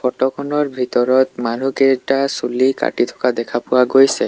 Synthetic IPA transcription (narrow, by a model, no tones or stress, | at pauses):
fɔʈokʰɔnɔɾbʱit̪ɔɾɔt̪manukeʈasulika̰ʈit̪ʰɔ̥kad̪ɛkʰapɔwaɡojsʰe